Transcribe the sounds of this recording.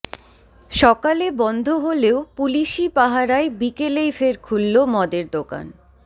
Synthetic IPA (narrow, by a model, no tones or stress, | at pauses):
ʃɔkalebɔnd̪ʱoɦoleopuliʃipaɦaɾaebikelejfeɾkʰulːomɔd̪eɾd̪oka̰n